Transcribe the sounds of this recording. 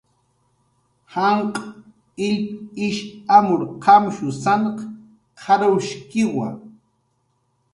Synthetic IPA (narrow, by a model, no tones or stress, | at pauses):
hɑɴqʼ | ɪʎpɪʃamʊɾqɑmʃʊsaɴq | qʰɑɾawʃkɪwa̰